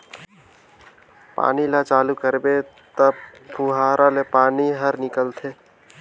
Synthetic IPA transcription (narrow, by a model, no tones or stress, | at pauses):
pa̰ːnilat͡ʃaːlukəɾbet̪əbpʰuɦaːɾʔalepaːniɦəɾnɪkəlt̪ʰeː